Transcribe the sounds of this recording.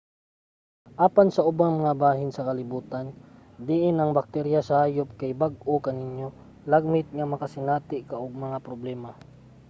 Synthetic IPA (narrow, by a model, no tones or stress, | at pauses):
ʔaːpansɐʔʊbaŋmɐŋabaːɦɪnsɐkɐlɪbuːt̪an | d̪ɪʔɪnɐŋbɐk̚t̪ɛɾjasɐhaːjop̚kajbaɡ̚ʔokɐnɪnjo̞ | laɡ̚mɪt̪̚ŋɐmɐkasɪnaːt̪ɪʔkɐʔʊɡ̚mɐŋapɾoblɛːma